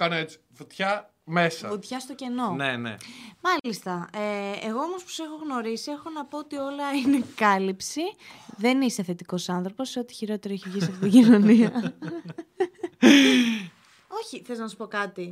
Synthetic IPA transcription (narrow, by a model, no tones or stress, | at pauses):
kɐnoet͡si̥fot̪çɐ | me̞sɐot̪çɐst̪o̞ce̞no̞nenḛmɐlist̪ɐeeɣo̞omospo̥se̞xo̞ɣno̞ɾisie̞xo̞nɐpo̞ot̪io̞lɐine̞kɐlipsiðe̞nist̪eθet̪iko̞sɐnθɾo̞po̞seo̞t̪i̥çiɾo̞t̪e̞ɾoeçivʝisɐft̪it̪iɟino̞niɐ | o̞çiθeznɐsu̥po̞kɐt̪i